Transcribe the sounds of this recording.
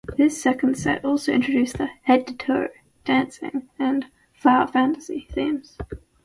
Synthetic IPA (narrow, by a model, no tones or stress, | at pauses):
ðɪsɛkə̃n̩d̥sɛ̰tɔˑlˠsəʊɪ̰̃nt͡ʃɹədʉˑsðəhɛd̚tətʰə̰ɹ | d̥æ̃nsɪ̰̃ŋə̃n | flaʊəfæ̃ntə̥sḭθĩmz̥